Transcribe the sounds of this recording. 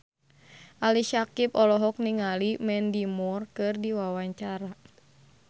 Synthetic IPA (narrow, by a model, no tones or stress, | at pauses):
ʔaliʃakip̚ɔlɔɦɔk̚niŋalimɛndimɔrkɨrdiwawaɲt͡ʃaɾa